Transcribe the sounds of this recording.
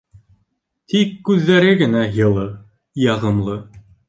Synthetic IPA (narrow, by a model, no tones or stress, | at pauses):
t̪ikːʉðːæɾɘɡɘ̆næjɤ̆lˠɤ | jɑʁɤ̆mlˠɤ